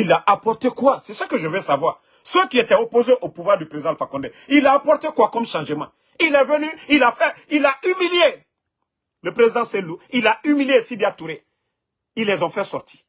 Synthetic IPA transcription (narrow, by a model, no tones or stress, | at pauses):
ilaʔapɔʁt̪ekwasɛsəkəʒəvɛsavwaːʁ | səkiet̪ɛopozeʔopuvwaʁd̪ypɾezid̪ãləfakɔ̃nd̪ɛilaːpɔʁt̪ekwakɔmʃãʒəmã̰ | ilɛvənyilafɛilaymilje | ləpɾezid̪ãsɛluilaymiljesid̪jat̪uɾe | ilːɛzɔ̃fɛsɔʁt̪ʰi̥